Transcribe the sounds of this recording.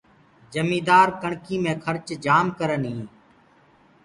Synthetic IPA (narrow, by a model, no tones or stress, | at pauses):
d͡ʒəmĩːd̪aːɾkəɳkiːmẽːkʰəɾt͡ʃd͡ʒaːmkəɾənɦĩː